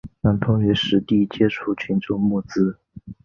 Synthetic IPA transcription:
na˧˥nt̪ʰʊ˥ŋɥɛ˧˥ʂɻ̩˧˥t̪i˥˩t͡ɕjɛ˥ʈ͡ʂʰu˥˩t͡ɕʰy˧˥nʈ͡ʂʊ˥˧ŋmu˥˩t͡sɹ̩˥

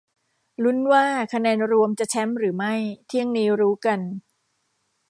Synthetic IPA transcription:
lu˦˥nwaː˥˩kʰa˧nɛː˧nɾu˧əmt͡ɕa˨˩ʔt͡ɕʰɛ˦˥mɾɯː˩˦ma˥˩jt̪ʰi˥˩əŋniː˦˥ɾuː˦˥ka˧n

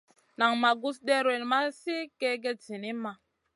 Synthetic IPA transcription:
na˨ŋma˨ɡu˦s̬de˦ɾe˨nma˦si˦ke˦ɡe˧zi˨ni˦ma˨

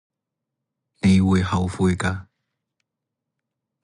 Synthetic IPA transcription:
ne˨˧jwu˨jɦɐ˨˧wfu˧jka˧

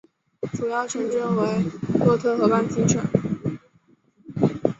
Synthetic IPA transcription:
ʈ͡ʂu˨˩jɑ˥˩ʊʈ͡ʂʰɤ˧˥ŋʈ͡ʂɤ˥ŋwe˧˥ɪlwɔ˥˩t̪ʰɤ˥xɤ˧˥pa˥nt͡ɕi˥t͡ɕʰɥə̰˨˩˥n

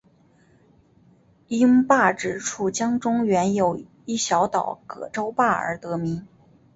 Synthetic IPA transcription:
i˥ŋpa˥˩ʈ͡ʂɻ̩˨˩ʈ͡ʂʰu˥˩t͡ɕjɑ˥ŋʈ͡ʂʊ˥ŋɥɛ˧˥njo˨˩ʊ | i˥˩ɕjɑ˧˥ʊt̪ɑ˨˩ʊkɤ̰˨˩ʈ͡ʂo˥ʊpa˥˩ə̰˞˧˥t̪ɤ˧˥mi˧˥n

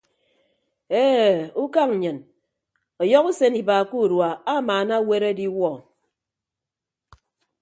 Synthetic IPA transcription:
e˦u˦ka˦ŋ̩˨ɲɨ˨n | ɔ˨jɔ˦ku˦se˦ni˨ba˨ku˦˨ɾwa˨a˦maː˨na˦we˦ɾe˦di˦wɔ˨

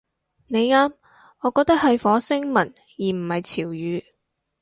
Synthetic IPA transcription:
ne˨˧jŋaː˥m | ŋɔː˨˧kɔː˧k̚t̪ɐ˥k̚hɐ˨jfɔː˨˥sɪ˥ŋmɐ˨˩n | jiː˨˩m̩˨˩hɐ˨jt͡sʰiː˨˩wjyː˨˧

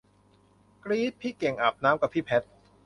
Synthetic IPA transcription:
kɾiː˦˥t̪̚pʰiː˥˩ke˨˩ŋʔa˨˩p̚naː˦˥mka˨˩pʰiː˥˩pʰɛ˦˥t̪̚

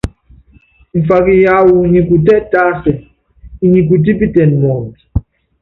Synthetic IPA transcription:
ɱ˨fa˨ki˨ja˦wu˨ɲi˨k̬u˨tɛ˦tʼa˦sɛ˨ | i˦ɲi˨k̬u˨t̬i˦pi˦tɛ˨nmɔ˨mi˨

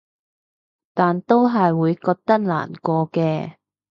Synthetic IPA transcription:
t̪aː˨nt̪o˥wɦɐ˨jwuː˨˧jkɔː˧k̚t̪ɐ˥k̚la̰ː˨˩nkɔː˧kɛː˧

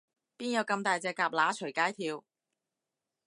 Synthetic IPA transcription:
piː˥njɐ˨˧wkɐ˧mt̪aː˨jt͡sɛː˧kaː˧˥p̚laː˨˥t͡ʃʰɵ˨˩jkaː˨˥jt̪ʰiː˧w

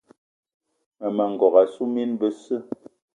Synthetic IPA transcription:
mə˨mə˨ŋ̩˨ɡɔ˨ka˨su˦mi˦nbə˦sɨ˦

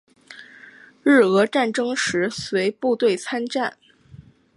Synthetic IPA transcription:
ɻ̩˥˩ɤ˧˥ʈ͡ʂa˥˩nʈ͡ʂɤ˥ŋʂɻ̩˧˥swe˧˥ɪpu˥˧t̪we˥˩ɪt͡sʰa˥nʈ͡ʂa˥˩n

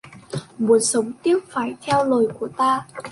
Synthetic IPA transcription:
mu˨˦ənsə˨˦wŋ͡mt̪i˦˥əp̚faː˧˩jt̪ʰɛ˧wlo˨˩jku˧˩ət̪aː˧

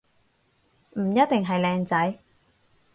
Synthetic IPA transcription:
m̩˨˩jɐ˥t̚t̪ɪ˨ŋɦɐ˨jlɛː˧ŋt͡sɐ˨˥j

